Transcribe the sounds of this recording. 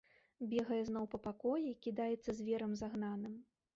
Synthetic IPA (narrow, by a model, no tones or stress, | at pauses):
bʲɛɣɐjɛznɔwpɐpakɔjɛikʲid̪ajɛt̪sːɐzʲvʲɛɾɐmzaɣnanɨm